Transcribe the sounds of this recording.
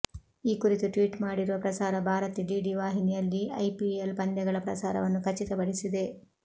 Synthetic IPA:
iːkuɾit̪uʈʋiːʈmaːɽiɾuʋɐpɾɐsaːɾɐbʱaːɾɐt̪iɖiːɖiʋaːɦinijɐlːiɐjpielpɐnd̪jɐɡɐɭɐpɾɐ̰saːɾɐ̰ʋɐnːukʰɐt͡ʃit̪ɐpɐɽisid̪e̞

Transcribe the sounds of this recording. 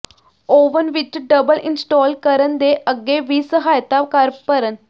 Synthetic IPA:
oːʋənʋɪt͡ʃɖəbəlɪnsʈɔːlkəɾənd̪eːʔəɡːeːʋiːsəɦaːjt̪aːkəɾpəɾən

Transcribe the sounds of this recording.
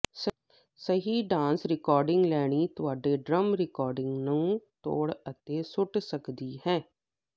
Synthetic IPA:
səɦiːɖãːnsɾɪkɔːɾɖɪŋɡlɛːɽ̃iːt̪ʊaːɖeːɖɾəmɾɪkɔːɾɖɪ̃ŋɡnũːt̪o̰ːɽət̪eːsʊʈsəkd̪iːɦɛ̃ː

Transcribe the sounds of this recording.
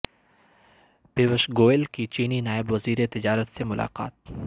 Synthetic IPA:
peːʋəʃɡoːelkit͡ʃiːninaːɪbʋɐziːɾet̪ɪd͡ʒaːɾət̪semʊlʔa̰ːqa̰ːt̪̚

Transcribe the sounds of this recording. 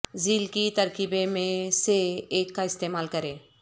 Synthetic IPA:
ziːlkit̪ɐɾkibemẽseeːkːaɪst̪eːmaːlkəɾẽː

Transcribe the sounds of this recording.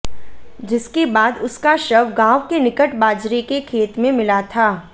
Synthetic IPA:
d͡ʒɪskebaːd̪ʊskaʃɐʋɡãːʋkenɪkəʈbaːd͡ʒɾekekʰeːt̪mẽmɪlat̪ʰaː

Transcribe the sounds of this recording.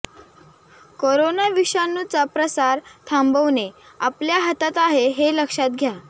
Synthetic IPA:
koɾonaʋiʂanːut͡sapɾəsaɾt̪ʰambəʋne | apljaɦət̪at̪aɦeɦeləkʂat̪ɡʱja

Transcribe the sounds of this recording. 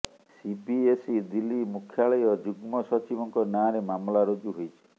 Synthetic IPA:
sipiesid̪ilːimukʰjaɭɔjɔd͡ʒuɡmɔsɔt͡ʃibɔŋkɔnaɾemamlaɾod͡ʒuɦojt͡ʃʰi̥

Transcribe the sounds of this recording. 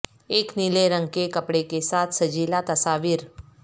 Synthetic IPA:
eknileɾəŋkekəpɽekesat̪səd͡ʑilat̪əsaʋiːɾ

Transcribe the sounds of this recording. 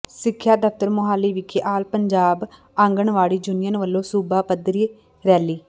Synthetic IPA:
sɪkʰːjaːd̪əft̪əɾmʊɦaːlːiːʋɪkʰeʔaːlpəɲd͡ʒaːb | ãːŋɡəɳʋaːɽiːd͡ʒʊnɪjənʋəlːõːsuːbaːpəd̪ɾiː | ɾɛːliː

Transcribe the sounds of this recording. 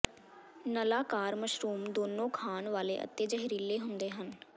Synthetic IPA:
nəlaːkaːɾməʃɾuːmd̪oːnõːkʰaːnʋaːleːʔə̰t̪ːeːd͡ʒəɦɪɾiːleːɦʊnd̪eːɦən

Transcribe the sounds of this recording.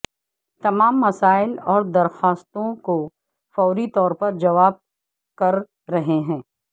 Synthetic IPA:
t̪ɐmaːmːɐsaːɪlɔːɾd̪ɐɾxaːst̪õko | fɔːɾit̪ɔːɾpɐɾd͡ʒɐʋaːb̚ | kɐɾː | ɐɦeɦɛ̃ː

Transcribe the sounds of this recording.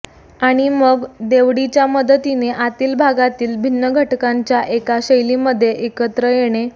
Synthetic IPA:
aɽ̃iməɡd̪eʋɽit͡ɕjaməd̪ʱət̪ineʔat̪iːlbʱaɡat̪iːlbʱinːəɡʱəʈkaɲt͡ɕjaʔekaɕəjliməd̪ʱːjeʔekət̪ɾəjeɽ̃e

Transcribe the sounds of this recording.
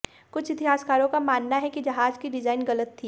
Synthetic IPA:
kʊt͡ʃʰɪt̪iɦaːskaːɾõkamaːnːaɦɛkid͡ʒɐɦaːd͡ʒkiɖɪd͡ʒaːɪnɣɐlət̪ʰːiː

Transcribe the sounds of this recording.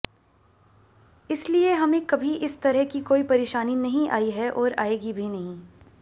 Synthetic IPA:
ɪslieɦɐmẽkɐbʱiʔɪst̪ɐɾəɦkikoːipɐɾeːʃaːninɐɦĩʔa̰ːiɦɛʔɔːɾa̰ːeːɡibʱinɐɦĩː

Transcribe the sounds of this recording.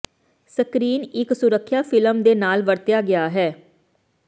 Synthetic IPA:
səkɾiːnɪksʊɾəkʰːjaːfʰɪləmd̪eːnaːlʋəɾt̪jaːɡɪaːɦɛː

